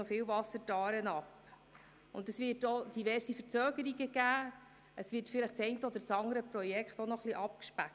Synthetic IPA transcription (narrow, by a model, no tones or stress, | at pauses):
ɔfɪːwvɑsːəɾtɑːɾənɑp | ʊ̰ndəsvɪɾtod̥ivɛrsifəɾt͡søːɡəɾiɡəɡæː | ʔəsʋɪːtfɪlɪχt͡sɛɪntəɔd̪əɾt͡sɑŋəɾəpɾɔjɛkχtonɔχliʔɑp̚kʃpæ